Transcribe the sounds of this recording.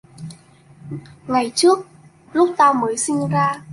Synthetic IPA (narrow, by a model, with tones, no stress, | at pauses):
ŋa˨˩jt͡ɕɨ˦˥ək̚ | lʊ˦˥k͡p̚t̪aː˧wməː˨˦jsï˧ŋ̟zaː˧